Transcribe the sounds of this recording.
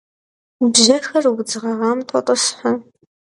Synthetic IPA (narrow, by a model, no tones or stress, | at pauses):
bʑɐxɐrɡd͡zɨʁɐʁɐmtʷʼɔtʼɔsħa